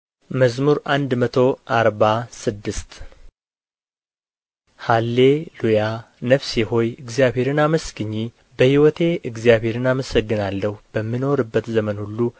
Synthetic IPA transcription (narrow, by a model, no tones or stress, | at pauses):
məzmuɾʔand̪mət̪ʰo̞ʔaɾbasɨd̪ːɨst̪ | halːe̞luja | nəfseho̞jɨɡzjaβhe̞ɾɨnaməsɡɨɲːi | bəhiwɔt̪ʰe̞ɨɡzijaβhe̞ɾɨnaməsəɡːɨnalːəhubəmːino̞ɾɨbːət̪zəmənhulːu